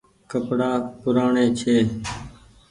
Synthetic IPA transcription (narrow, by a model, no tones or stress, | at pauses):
kəpɽaːpʊɾaːɳeːt͡ʃʰeː